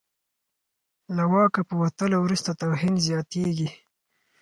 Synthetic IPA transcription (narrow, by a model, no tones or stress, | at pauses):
lawɑkapəwat̪əlowɾust̪at̪awɦinzjɑt̪eɡi